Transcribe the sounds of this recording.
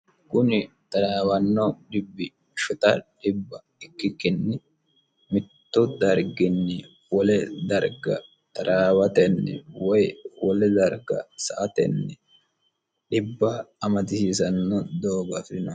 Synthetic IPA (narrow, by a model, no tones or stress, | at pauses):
kʊnɪ | t̪ɐɾaːwɐnːɔɗɪbːɪ | ʃʊt̪ɐɗɪbːɐ | ɪkːɪkːɪnːɪ | mɪt̪ːʊd̪ɐɾɡɪnːɪ | wɔlɛd̪ɐɾɡɐ̰ | t̪ɐɾaːwɐt̪ɛnːɛwɔjwɔlɛd̪ɐɾɡɐ̰sɐʔɐt̪ɛ̰nːɛ | ɗɪbːaːmɐt̪ɪsiːsɐnːɔd̪oːɡɐfɪnɐ